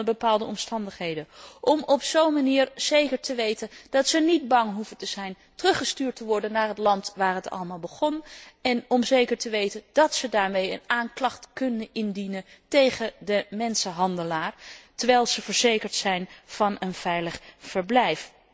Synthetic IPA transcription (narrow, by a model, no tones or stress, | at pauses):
əbəpaːlˠdəɔmstɑndəχɦejdəʔɔmɔpsownmaniːɹz̥ejkəɹtəʋejtənd̥ɑtsənid̚bɑŋɦuvətəz̥ɛjn | tərɵχəstyːɹtəʋɔɹdənːaːɹɦətlɑntʋaːɹɦətɑ̰ləmaːlˠbəχɔnɛnɔmzejkəɹtəʋejtənd̥ɑtsədaːɹmejə̰naːŋklɑχtkɵndənʔɪndinəntejχədəmɛnsəɦɑndəlaːɹtəɹʋɛjlˠz̥əvəɹz̥ejkəɹtsɛjnv̥ɑnənv̥ɛjləχfəɹblɛjf